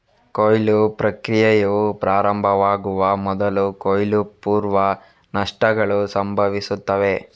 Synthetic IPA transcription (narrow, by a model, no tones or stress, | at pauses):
koːjlupɾɐkɾijɐjɐʋupɾaːɾɐmbʱɐʋaːɡuʋɐmɔd̪ɐlukojlupuːɾʋɐ | nɐʂʈɐɡɐɭusɐmbʱɐʋisut̪ːɐʋe̞